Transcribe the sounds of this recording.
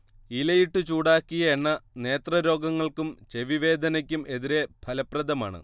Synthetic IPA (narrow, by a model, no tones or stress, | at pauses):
ilɐjiʈːɨt͡ɕuːɽaːkːijɐeɳːɐne̞ːt̪rɐɾo̞ːɡɐŋːɐɭkumt͡ɕe̞ʋiʋe̞ːd̪ʱɐnɐk̬ʲːume̞ðiɾe̞b̥ʱɐlɐprɐd̪ɐma̰ːɳɨ̰